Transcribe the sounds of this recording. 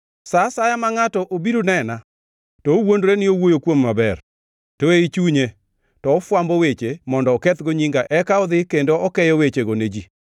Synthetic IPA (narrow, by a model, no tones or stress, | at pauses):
sasajamaŋatɔʔobiɾunɛna | tɔowondɾenɪowojokwomːabɛr | toeit͡ʃuɲe | tɔːfwambowet͡ʃemɔndɔːkɛt̪ɡoɲiŋɡaʔɛkaɔd̪ɪkendoɔkɛjɔwet͡ʃeɡoned͡ʒi